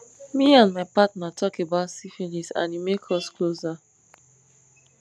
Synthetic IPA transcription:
miãnmaɪpatnatʰɔkebaʊtsifinisã̰nimekʰɔskloza

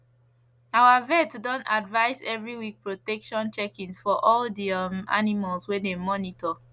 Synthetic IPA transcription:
awavɛtdɔ̃ntadvaɪzɛvɹiwik̚pɹotɛkʃɔ̃nt͡ʃɛkĩnsfɔʔɔldima̰nimalswedemɔnitɔ

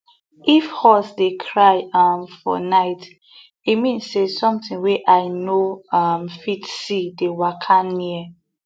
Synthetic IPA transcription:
ʔifhɔsdekʰɹaɪʌmfɔ̰naɪt | imĩnssesɔ̃mtĩŋwɛʔaɪnoʌmfitsidewakʰãnnːiɛ

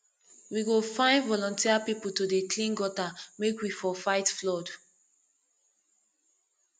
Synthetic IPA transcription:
wiɡofãɪ̃nvɔlɔ̃ntiapipul̩todeklĩnɡɔtamekwifɔfaɪtflɔd

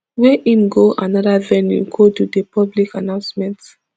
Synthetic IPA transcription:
wɛʔĩmɡoʔanɔdavɛnjṵɡodudəpʰɔblikanãʊ̃nsmɛ̃nt

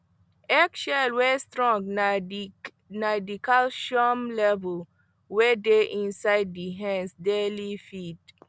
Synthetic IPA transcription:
ɛkʃɛlwɛstɹɔ̃ŋ | nadikalʃɔmlɛvəl | wɛdeʔĩnsaɪd̚diɦɛ̃nsdelifit

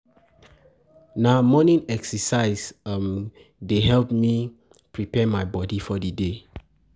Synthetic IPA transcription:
namɔnĩnɛksəsaɪsm | deɦɛlp̚mi | pɹipɛmajbɔdifɔdəde

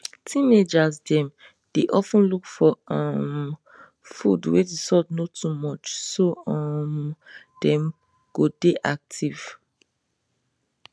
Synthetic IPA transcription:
tʰĩned͡ʒazdɛ̃m | d̥eʔɔfũnlukfɔɔ̃m | fṵdwedisɔdnotʰumɔt͡ʃsoɔm | d̥ɛ̃m | ɡ̥odeʔak̚tʰiv̥

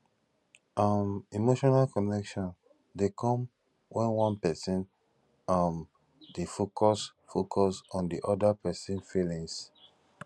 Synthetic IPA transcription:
amimoʃɔnalkɔnɛkʃɔ̃n | dekɔ̃m | wɛ̃nwɔ̃npɛsĩn | am | defokʰɔsfokʰɔsɔ̃ndiʔɔdapɛsĩnfilĩŋs

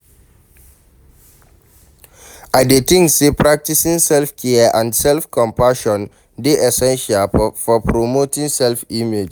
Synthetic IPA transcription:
aɪdetĩŋksepɹak̚tisĩŋsɛlfkʰɛəʔãndsɛlfkʰɔ̃mpaʃɔ̃n | deʔɛsɛ̃nʃalfɔpɹomotĩŋsɛlfimed͡ʒ

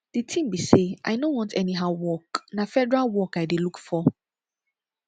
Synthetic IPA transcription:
d̥itʰĩmbiseʔa̰ɪdõnwɔ̃ntʰɛniɦaʊwɔknafɛdɛɹalwɔkaɪdelukfɔ

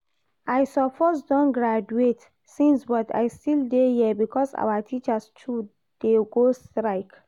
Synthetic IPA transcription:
ajsɔpʰɔsdɔ̃nɡɹad͡ʒuet | sĩnsbɔta̰jstildejiɛbikɔsa̰watʰit͡ʃastʰu | d̥eɡostɹaɪk

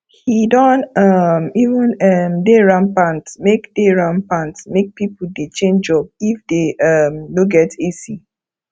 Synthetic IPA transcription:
hidɔ̃ntʌmivũnʌmdeɹãnpãntmekdeɹãnpãntmek̚pipudet͡ʃẽnd͡ʒɔb̚ifdeʌmnoɡɛtʰisi

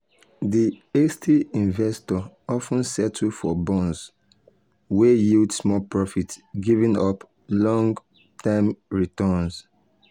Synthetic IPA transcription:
diestʰiĩnvɛstɔɔfũnsɛtʰufɔbɔ̃ns | wejuldsmɔpɹɔfitsɡivĩnɔp | lɔ̃ŋɡ | tʰãɪ̃mɹitɔns

